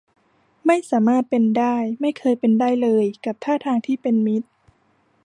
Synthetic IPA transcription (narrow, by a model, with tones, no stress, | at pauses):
ma˥˩jsaː˩˦maː˥˩t̪̚pe˧ndaː˥˩jma˥˩jkʰɤː˧jpe˧ndaː˥˩jlɤː˧jka˨˩p̚t̪ʰaː˥˩t̪ʰaː˧ŋt̪ʰiː˥˩pe˧nmi˦˥t̪̚